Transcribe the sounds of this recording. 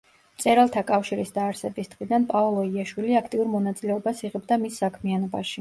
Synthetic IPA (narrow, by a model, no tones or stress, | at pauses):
mt̪sʼɛɾalˠt̪ʰakʼafʃiɾisd̪aːɾsɛbisd̪̥ʁid̪anpʼalˠɔiaʃwiliakʰt̪ʼiuɾmɔnat̪sʼilɛɔbasiʁɛbd̪amisːakʰmianɔbaʃit